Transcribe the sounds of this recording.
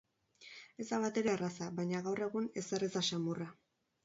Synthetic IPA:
e̞zd̪aβat̪e̞ɾe̞arasaβajɲaɣawre̞ɣune̞serezaʃamura

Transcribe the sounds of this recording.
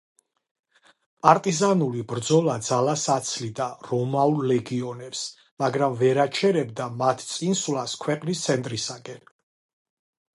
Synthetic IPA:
pʼaɾt̪ʼizanulibɾd̪zɔlad̪zalasat̪sʰlid̪aɾɔmaulˠlɛɡiɔnɛps | maɡɾamvɛɾat͡ʃʰɛɾɛbd̪amat̪ʰt̪sʼinswlaskʰwɛqʼnist̪sʰɛnt̪ʼɾisaɡɛn

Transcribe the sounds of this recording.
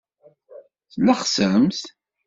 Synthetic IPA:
θlːaχsəmθ

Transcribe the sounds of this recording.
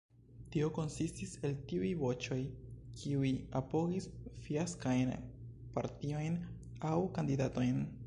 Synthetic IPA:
tio̞ko̞nsistise̞ltiujvo̞t͡ʃo̞jkʰiujapo̞ɡisfiaskajnpaɾtio̞jn | awkandidato̞jn

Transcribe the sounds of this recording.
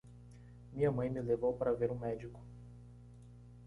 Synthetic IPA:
mĩɲɐmɐ̃j̃mɪlevowpaɾɐveɾʊ̃mɛd͡ʒikʊ̥

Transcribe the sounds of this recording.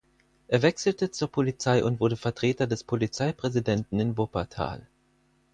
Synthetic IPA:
ʔeːɐvɛksl̩tət͡suːɐpʰolit͡saɪʔʊntv̥ʊɐdəfɛɐtʁ̥eːtɐdɛspʰolit͡saɪpʁ̥ɛzidɛntn̩ɪnvopatʰa̰ːl

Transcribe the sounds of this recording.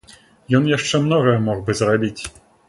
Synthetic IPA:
jɔnjaʂt͡ʂɛmnɔɣɐjɐmɔɣbɨzrabʲit͡sʲ

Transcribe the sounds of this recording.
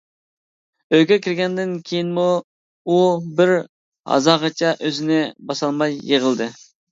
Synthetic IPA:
øjkʲɛkʲʰiɾɡʲɛnd̪ɪnkʲʰejinmu | ubɪɾ | hɑ̰zɑʁɑt͡ʃʰɑʔøzɪnɪbɑsɑlˠmɑjːeʁəlˠd̪ɨ

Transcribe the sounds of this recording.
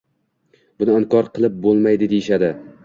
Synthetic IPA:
b̥ʊnɪɒŋkɒɾqʰɨlˠɪp̚bolˠmajd̪ɪd̪ejɪʃad̪ɪ

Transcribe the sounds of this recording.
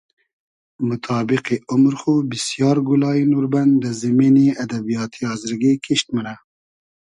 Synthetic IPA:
mʊt̪ʰɑːbiqeʊmɾxubisjɑːɾɡulɑːinuɾband̪əziminiad̪abijɑːt̪ʰiɑːzɨɾɡekʰiʃt̪məna

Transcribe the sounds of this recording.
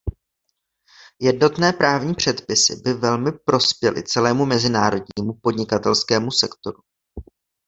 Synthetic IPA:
jɛdno̞t̪nɛːpɾaːvɲiːpr̝̥ɛt̪pɪsɪ̰bɪvɛlmɪpɾo̞spjɛlɪ̰t͡sɛlɛːmumɛzɪnaːɾo̞d̚ɲiːmupo̞dɲɪkat̪ɛlskɛːmusɛkt̪o̞ɾu

